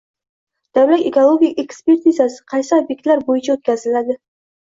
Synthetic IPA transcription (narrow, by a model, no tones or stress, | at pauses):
d̪̥awlat̪ekolˠoɡʲikʲe̞kspe̞ɾt̪izasɪ̥qʰɑjsɪobje̞k̚t̪laɾbojɪt͡ʃʰaot̪̚kʲazɪlad̪ɪ